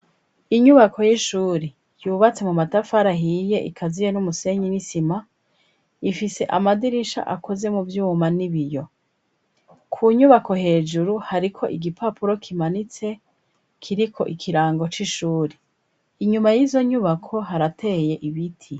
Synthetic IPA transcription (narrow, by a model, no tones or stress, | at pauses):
iɲuβakʰo̞jiʃuːɾe | juːβat͡se̞mumatafaɾaɦiːje̞ʔḭkʰazije̞numuse̞ɲinisima | ifise̞ʔamadiɾiʃa̰ʔa̰kʰo̞ze̞muvjuːmaniβijo̞ | kʰuɲuβako̞ɦe̞ːd͡ʒuɾuhaɾikʰo̞̰ʔiɡipʰapuɾo̞kʰimanit͡se̞ | kʰiɾikʰo̞̰ʔikʰiɾaːŋɡo̞t͡ʃiʃuːɾe | iɲumajiːzo̞ɲuβakʰo̞ɦaɾatʰe̞je̞ʔiβitʰi